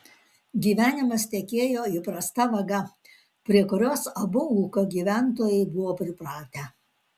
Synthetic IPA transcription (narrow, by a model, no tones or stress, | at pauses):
ɡʲiːʋʲæːnʲɪmɐst̪ʲɛkʲeːjoːɪpɾɐst̪ɐʋɐɡɐ | pʲɾʲiɛkʊɾʲoːsɐbʊuːkoɡʲiːʋʲæˑnt̪oːjɛɪbʊʋoːpʲɾʲɪpɾɑːt̪ʲæː